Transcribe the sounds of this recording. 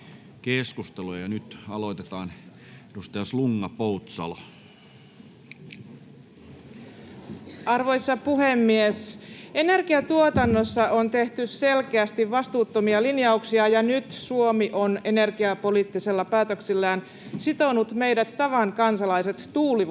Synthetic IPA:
keskust̪elojɑnyt̪ɑlot̪et̪ɑːn | edust̪ɑjɑsluŋːɑpout̪sɑ̰lo̰ | ɑrʋo̞jsːɑpuhe̞mːiese̞ne̞rɡiɑt̪uot̪ɑnːo̞sːɑont̪e̞ht̪ysse̞lkeæst̪iʋʋɑst̪uːt̪ːomiɑlinjɑuksiɑjɑnyt̪suo̞miʔo̞ne̞ne̞rɡiɑpo̞liːt̪ːise̞lːɑpæːt̪øksilːæːn | sit̪o̞nut̪me̞jdæt̪tɑʋɑŋkɑnsɑlɑjse̞t̪ːuːliʋ

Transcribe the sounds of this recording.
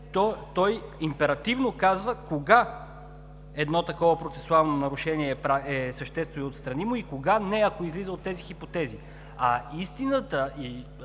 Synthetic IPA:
t̪ɔt̪ɔjimpɛɾɐt̪ivnokazvəkoɡa | ɛd̪nɔt̪ɐkɔvəpɾot̪sɛsualˠnonɐɾʊʃɛniɛːpɾaɛsəʃt̪ɛst̪vojot̪st̪ɾɐnimʊikoɡanɛɐkoizlizəot̪ːɛzixipot̪ɛzi | ɐist̪inət̪əi

